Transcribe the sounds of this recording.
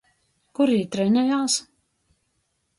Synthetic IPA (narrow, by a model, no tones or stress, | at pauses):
kuɾiːt̪ɾɛnʲɛjaːs